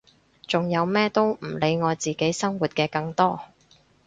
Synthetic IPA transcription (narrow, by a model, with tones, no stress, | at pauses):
t͡sʊ˨ŋjɐ˨˧wmɛː˥t̪o˥wm̩˨˩le˨˧jŋɔː˨˧t͡siː˨ke˨˥jsɐ˥ŋwuː˨t̚kɛː˧kɐ˧ŋt̪ɔː˥